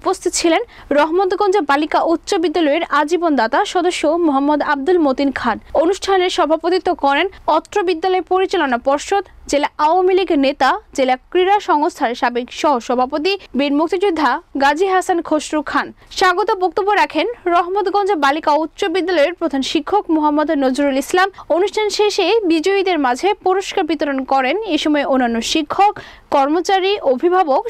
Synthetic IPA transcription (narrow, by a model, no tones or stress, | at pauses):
upost̪ʰit̪ot͡ɕʰilen | ɾɔɦmot̪ɡɔnd͡ʑebalikaʔut̪ːɕobid̪ːalɔeɾad͡ʑibond̪at̪aʃɔd̪oʃːomoɦamːod̪ab̚d̪ulmot̪inkʰanonuʃʈʰaneɾʃɔbʱapot̪it̪okɔɾenɔt̪ːɾobid̪ːalɔepoɾit͡ɕalonapɔɾʃod̪d͡ʑelaʔawamiliɡnet̪ad͡ʑelakɾiɾaʃɔŋost̪ʰaɾʃabekʃɔɦoʃɔbʱapot̪̬ibiɾmuk̚t̪id͡ʑud̪ʱːaɡad͡ʑʱiɦasankʰoʃɾukʰːanʃaɡot̪obok̚t̪obːoɾakʰenɾɔɦmot̪ɡɔnd͡ʑebalikaout̪ːɕobid̪ːalɔeɾpɾod̪ʱanʃikʰːokmoɦamːod̪nod͡ʑuɾulislamonuʃʈʰanʃeʃebid͡ʑoid̪eɾmad͡ʑʱepoɾoʃkaɾbit̪oɾonkɔɾeneʃɔmɔeonːanːoʃikʰːokː | ɔɾmot͡ɕaɾiʔobʱibʱabok